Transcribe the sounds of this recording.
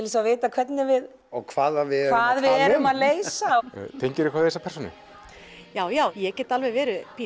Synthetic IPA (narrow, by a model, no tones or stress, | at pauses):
ɪlɪsaveːt̪akʰv̥ɛt̪nɪvɪð | ɔɣkʰvaːðavɪkvaːðvɪðɛɾʏmaðleːjsat̪ʰeɲcɪɾɪkʰaːðθejsːapɛrsɔnɪ̰ | jaːwjaːwjɛcɛt̪alvɛjvɛːɾʏpʰiː